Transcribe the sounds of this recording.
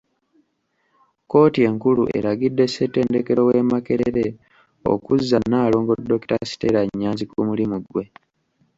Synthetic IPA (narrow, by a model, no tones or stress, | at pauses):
ko̞ːtie̞ŋkulṵʔe̞̰ɾaɡidːe̞sete̞ːnde̞ke̞ɾo̞we̞make̞ɾeɾe̞ | o̞̰kuzːanaːlo̞ːŋɡo̞dːo̞ki̥tasi̥tḛɾaɲːaːnzikumulimuɡwe̞